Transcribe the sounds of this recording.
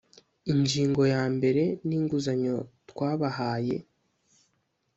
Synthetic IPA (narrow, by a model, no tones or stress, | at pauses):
iɲd͡ʒiːŋɡo̞jaːmbe̞ɾe̞niːŋɡuzaɲo̞twaːβahaːje̞̰